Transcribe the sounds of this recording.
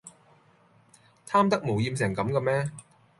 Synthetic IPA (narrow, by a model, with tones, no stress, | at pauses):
t̪ʰaː˥mt̪ɐ˥k̚moː˨˩wjiː˧ms̬ɛː˨˩ŋkɐ˨˥mkɐ˧mɛː˥